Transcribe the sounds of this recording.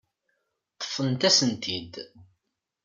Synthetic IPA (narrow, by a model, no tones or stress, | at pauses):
t̪ːə̥fənt̪æsənt̪ʰid̪